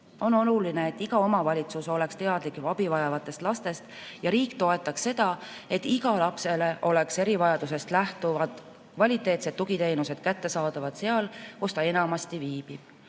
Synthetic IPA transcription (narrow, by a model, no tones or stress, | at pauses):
o̞no̞lulineːt̪ːˑiɡ̥ɑo̞mɑvɑlʲit̪suso̞le̞kst̪e̞ɑd̪likˑvɑbivɑjɑvɑt̪ːˑe̞st̪lɑst̪e̞st̪jɑɾiːkt̪o̞e̞t̪ˑːɑkse̞d̪̥ɑe̞t̪ːiɡ̥ɑlɑpse̞le̞ʔo̞le̞kse̞ɾivɑjɑd̪use̞st̪læht̪uvɑd̪̥ | kvɑlʲit̪ːˑe̞ːt̪se̞d̪ːuɡit̪e̞jnuse̞d̪̥̚kæt̪ːe̞sɑːd̪̥ɑvɑd̪̥seɑlkust̪ɑe̞nɑmɑst̪iviːb̥ib̥